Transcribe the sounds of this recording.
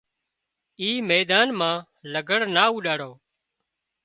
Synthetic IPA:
iːmeːd̪aːnmãː | ləɡʱəɽnaːuːɗaːɽoː

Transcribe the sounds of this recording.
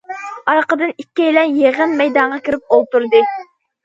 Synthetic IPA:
ɑɾqəd̪ɨnikʲːɛjlɛnjeʁɨnmɛjd̪ɑɴʁɑkʲiɾɪp̚olˠt̪uɾd̪ɨ

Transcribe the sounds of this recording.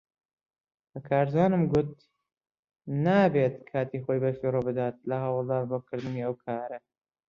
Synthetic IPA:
bɐkʰaːɾzaːnɨmɡʊt̪̚ | naːbet̪kʰaːt̪iːxojbɐfiːɾobɨd̪aːt̪̚lɐɦɑwɑlˠd̪aːnboːkʰɨɾd̪ɨniɐwkʰaːɾɐ

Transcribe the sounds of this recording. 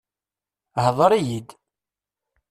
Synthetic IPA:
hðˤəɾˤijid̪

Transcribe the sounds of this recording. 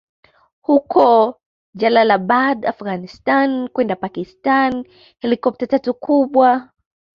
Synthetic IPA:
hukʰɔ | d͡ʒalalaɓadafɣanistankwɛndapakistan | hɛlikɔp̚tatatukʰuɓwa

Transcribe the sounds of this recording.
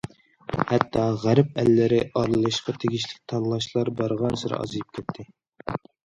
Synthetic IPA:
hɛt̪ʰːɑʁæɾɪp̚ɛlːɪɾɪʔɑɾlˠɨlˠɨʃqɑt̪ʰeɡʲiʃlɪk̚ʲt̪ʰɑnlˠɑʃlˠɑɾbɑɾʁɑnsɨɾɑ̰ɑ̰zɨlɨp̚kʲʰɛt̪ʰːɪ

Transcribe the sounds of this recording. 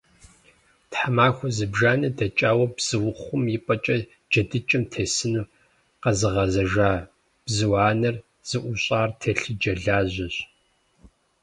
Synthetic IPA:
tħamaːxʷɔzɨbʒaːnɐdɐt͡ʃʼaːwɐbz̥ɨwʊχʷʊmjɪpʼɐt͡ʃʼɐ | d͡ʒɐdɨt͡ʃʼɪmtʰeːsɨnuː | qɐzɨʁɐzɐʒaː | b̥zɨwaːnɐr | z̥ɨʔʷʊɕʼaːrtʰeɬɨd͡ʒɐɮaːʑʷɐɕ

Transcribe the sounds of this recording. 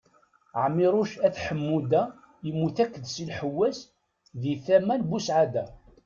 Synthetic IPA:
ʕəmːiɾˤʊʃæθħəmːud̪æ | əmːuθækːəðsilħəwːæs | ðiθæmælbusʕad̪æ

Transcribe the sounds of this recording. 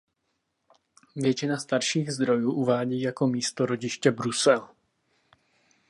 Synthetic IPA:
vjɛt͡ʃɪnast̪aɾʃiːɣzd̪ɾojuːʔuvaːɟiːjakomiːst̪oɾoɟɪʃcɛbɾusɛl

